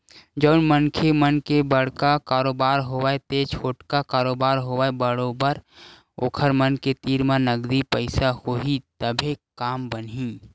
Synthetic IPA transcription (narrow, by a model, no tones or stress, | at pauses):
d͡ʒəʊnmənkʰemənkebəɽ̤kakaːɾoːbaːɾɦowaet̪eːt͡ʃʰoːʈkakaːɾoːbaːɾɦowaːebəɽobəɾ | oːkʰəɾmənket̪iːɾmãnəɡd̪ipəɪsahoɦit̪əbʱekaːmbənɦĩː